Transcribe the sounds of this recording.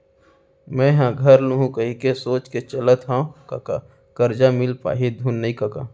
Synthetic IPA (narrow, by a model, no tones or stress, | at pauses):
mɛ̃ɦãɡʱəɾluɦũkəɦikesoːt͡ʃket͡ʃələt̪ɦãkaka̰ | kəɾd͡ʒamɪlpa̰ːɦid̪ʱunːɐĩkɐka̰